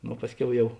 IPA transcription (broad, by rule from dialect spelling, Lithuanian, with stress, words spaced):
ˈnoː ˈpɑːsʲˌkʲɛʊ ˈjɛʊ